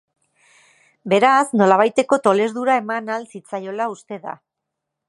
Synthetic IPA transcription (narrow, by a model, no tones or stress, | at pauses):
be̞ɾasno̞laβ̞ajt̪e̞ko̞t̪o̞le̞ɾðuɾaemanalsit͡sajo̞laust̪e̞ða̰